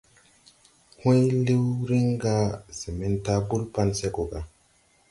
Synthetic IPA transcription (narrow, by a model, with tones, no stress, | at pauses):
hu˦jli˦wɾi˦ŋɡa˦si˨me˦nta˦bu˦lpa˦nse˦ko˨ɡa˨